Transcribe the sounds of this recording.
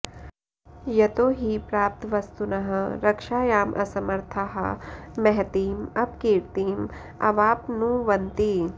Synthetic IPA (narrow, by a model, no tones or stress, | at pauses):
jɐt̪oːɦipɾaːp̚t̪ʋɐst̪unɐɦɐɾɐkʃaːjaːmʔɐ̰sɐmɐɾt̪ʰaɦɐ̰mɛɦt̪iːmɐbkiːɾt̪iːm | ɐ̰ʋaːpnũʋɐnt̪i